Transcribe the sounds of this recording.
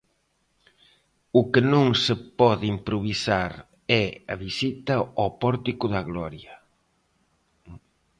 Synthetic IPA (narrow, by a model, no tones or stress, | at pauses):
ʊkenõŋsepɔðimpɾoβ̞isaɾ | ɛɐ̰βisit̪ɐɔpɔɾt̪ikʊðɐɣlɔɾjɐ